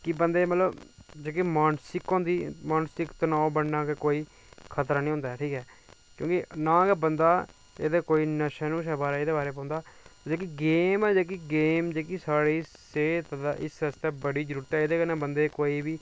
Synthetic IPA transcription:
kɪbənd̪eːmət̪ləbd͡ʒeːkimaːnsɪkõːnd̪iːmaːnsɪkt̪ːnãːõbəɳnãːkekoːiː | kʰət̪ɾaːnĩːɦʊ̃ːnd̪aːɛʈʰiːkɛː | kjõ̰ːkɪnãːkɛːbənd̪aː | ḛːd̪eːkoːiːnəʃɛːnũːʃɛːbaːɾeːeːd̪eːbaːɾeːpãːnd̪aːd͡ʒoːkiɡeːmɛːd͡ʒeːk̬iɡeːmd͡ʒeːkisaːɽiːseːt̪d̪a̰ʔɪ̰səst̪ɛːbəɽiːd͡ʒəɾuːɾət̪ɛːeːd̪eːkəɾnãːbənd̪eːkoːiːbiː

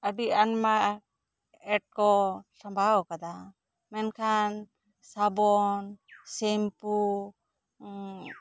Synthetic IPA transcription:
abianma | ɛʈ̚kɔsambʱawkad̪a | mɛnkʰan | sabɔnsɛmpu

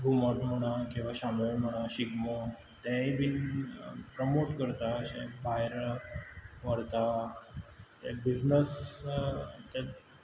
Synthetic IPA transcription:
bʱuməʈm̤əɽ̃akĩw̃ʋaɕameɭm̤əɽ̃aɕiɡmə | t̪ɛibin | pɾəmoʈkəɾt̪aəɕɛ̰̃bʱajɾ | ʋəɾt̪a | t̪ɛbiznəs | t̪ɛ

